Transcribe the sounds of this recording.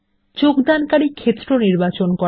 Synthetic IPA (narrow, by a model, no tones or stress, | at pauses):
t͡ɕokd̪ankaɽikʰet̪ːɾoniɾbat͡ɕonkɔ